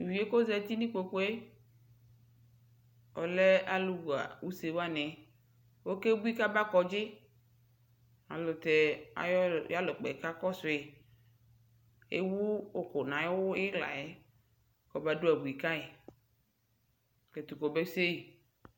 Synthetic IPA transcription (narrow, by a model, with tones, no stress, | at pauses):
wi˨e˦ko˦zɛ˦t̪i˦nĩ˦k͡po˨k͡po˦e˦ | ɔ˨le˦a˦lu˦wu˨a̰˨wu˦se˨wo˦a˦nẽ˨ | wo˦ke˦bu˦i˦ka˦ba˦kɔ˨d͡ʒɪ˦ | a̰˨lʊ˨t̪e˨a̰˨jja˦lo˨k͡pḛ˨ka˦kɔ˦sʊ˨e˨ | ḛ˦wu˦o˦ko˨nã˨e˦wo˦ɪ˦la̰˨e˦ | kɔ˨ba˦ɖo˦a˨bu˨i˨ka˦e˨ | ke˨t̪u˨ko˨be˦se˦ji˨